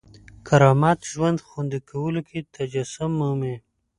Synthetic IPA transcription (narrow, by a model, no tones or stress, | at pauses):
kʰaɾɑmɑt̪ʒwand̪xund̪ikʰawəlokʰet̪ad͡ʒasʊmːəme